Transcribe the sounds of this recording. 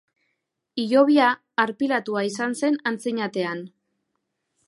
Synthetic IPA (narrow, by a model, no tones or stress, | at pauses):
iʝo̞βiaː | ɾpilat̪uaisanse̞nant͡siɲat̪e̞an